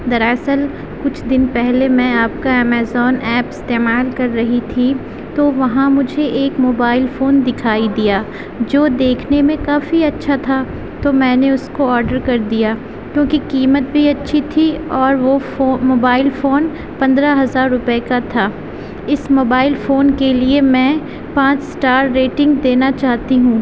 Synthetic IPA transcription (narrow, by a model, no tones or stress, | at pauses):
d̪ɐɾɛːsəl | kʊt͡ʃʰd̪ɪnpɛɦlemɛ̃aːpkaɛːmɛːzɔːnʔɛːpɪst̪eːmaːlkɐɾːɐɦit̪ʰi | t̪oʋɐɦãmʊd͡ʒʱeʔeːkmoːbaːɪlfoːnd̪ɪkʰaːid̪ijaː | d͡ʒoːd̪eːkʰnemẽkaːfiɐtːʃʰat̪ʰa | t̪omɛ̃ːneʊskoɔːɾɖəɾkɐɾd̪ijaː | kjõːkikiːmət̪̚bʱiɐtːʃʰit̪ʰiɔːɾʋooːmoːbaːɪlfoːn | pɐ̃nd̪ɾaɦɐzaːɾːʊpəekat̪ʰaː | ɪsmoːbaːɪlfoːnkeliemɛ̃ː | pãːt͡ʃsʈaːɾːeːʈɪ̃ŋɡd̪eːnat͡ʃaːɦt̪iɦũː